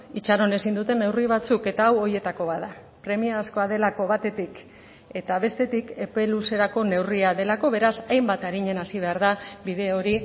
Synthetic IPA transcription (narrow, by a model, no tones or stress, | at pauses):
it͡ʃaɾo̞ne̞sind̪ut̪e̞nːe̞wriβ̞at͡suke̞t̪aːwo̞je̞t̪ako̞βaða | pɾe̞miaːsko̞aðe̞lako̞βat̪e̞t̪ik | e̞t̪aβe̞st̪e̞t̪ike̞pe̞luse̞ɾako̞ne̞wriaðe̞lako̞βe̞ɾasajmbat̪aɾiɲe̞nasiβ̞e̞aɾðabiðe̞o̞ɾi